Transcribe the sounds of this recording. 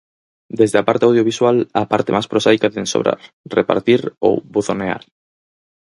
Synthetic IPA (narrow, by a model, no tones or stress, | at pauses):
d̪ezðeapaɾt̪eawðjoβiswalapaɾt̪emaspɾosajkaðẽnso̰βɾʔa̰ɾ | repa̰ɾt̪iɾo̰wβuθonea̰ɾ